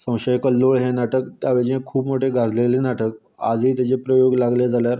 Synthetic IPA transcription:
sə̃w̃ɕəjkəlːoɭɦenaʈəkt̪jaʋed͡ʑẽkʰuːpmoʈʰeɡʱad͡zlelenaʈək | a̰d͡zʱit̪at͡ɕepɾəjoɡlaɡled͡zaljaɾ

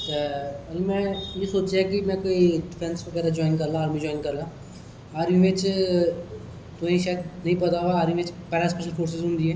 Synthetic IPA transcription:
ɐlmɛ̃jesoːt͡ʃeɦɛkimɛ̃koːiɖɪpʰɛ̃nskopɛːd̪ad͡ʒɔːɪnkɐɾlãaːɾmĩd͡ʒɔːɪ̃nkɐɾlãː | aːɾjĩmẽːt͡ʃ | t̪oĩʃaːɛd̪nɐɦĩpɐt̪aʋaːɾĩmẽt͡ʃpɛːɾaspɛʃəlfʰoːɾs̬ɪzɦʊ̃ːnd̪iɦɛː

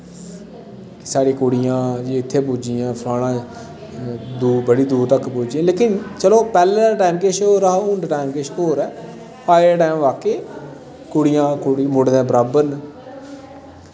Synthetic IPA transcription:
ksaːɽiːkoːɽɪjãːd͡ʒiːɪt̪ʰːeːp̬ʊːd͡ʒiːjãːpʰlaːɽãː | d̪uːbəɽiːd̪uːɾt̪əkpuːd͡ʒãːleːkɪnt͡ʃəloːpɛːlẽːd̪aːʈaːɪmkeːʃoːɾaːʊ̃ɳɖʈaːɪmkeːʃoːɾɛː | paːɪəʈaːɪmʋaːkeː | koːɽɪjãːkoːɽimʊɽd̪ɛ̃ːbəɾaːbəɾn

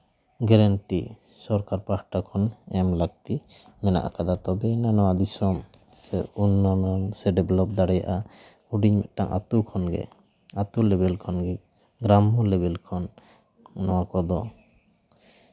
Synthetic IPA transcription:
ɡɛɾaɳʈi | sɔɾkaɾpahʈakʰɔnɛmlaɡ̚t̪i | mɛna̰ʔa̰kad̪at̪ɔbɛnanɔwad̪isɔm | sɛunːɔnɔnsɛɖɛblɔp̚d̪aɽɛja̰ʔa | uɖiɲmɛ̰ʔ̪ʈaŋʔa̰t̪ukʰɔnɡɛ̰ | at̪ulɛbɛlkʰɔnɡɛ | ɡɾamɔlɛbɛlkʰɔnː | ɔwakɔd̪ɔ

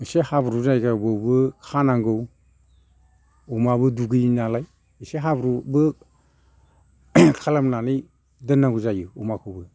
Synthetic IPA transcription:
ɯsehabɾuzajɡabɯwbɯkʰanaŋɡɯw | umabɯduɡɯjnalaj | iseɦabɾubɯ | kʰalamnanij | dɯnːaŋɡuzajɯumakʰɯwbɯ

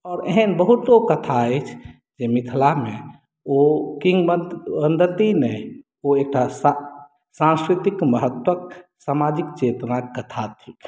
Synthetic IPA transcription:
ɔːɾeɦənbəɦut̪okət̪ʰaəɪt͡ʃʰ | d͡ʒemit̪ʰlame | okiŋɡbənd̪ət̪inɛ | oek̚ʈas | sãnskɾit̪ikməɦət̪wəksamad͡ʒikt͡ʃet̪nakkət̪ʰat̪ʰi

